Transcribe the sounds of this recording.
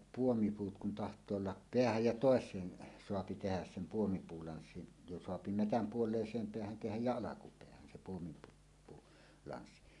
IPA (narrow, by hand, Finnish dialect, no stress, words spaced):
puomipuːt kun tɑhtˑoː olːɑ peæhæj jɑ toˑesˑeːn soɑpi tehæs sem puomipuːlɑnsːin jo soɑpi metæm puolˑeˑisˑeːm peæhæn tehæj jæ ɑlɑkupeæhæn sem puomipuː puː lɑnsːin